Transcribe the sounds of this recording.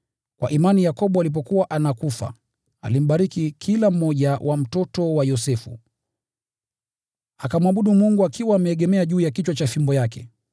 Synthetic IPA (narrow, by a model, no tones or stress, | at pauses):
kwa̰ʔimanijakɔɓɔalip̬ɔkuwaʔanakufa̰ | a̰lim̩ɓaɾikikʰilam̩ːɔʄawʔam̩tɔtɔwajɔsɛfṵ | akamwaɓuɗumuŋɡuakiwaːmɛɛːɠɛmɛaʄuːjakit͡ʃwat͡ʃafimbɔjakɛ̰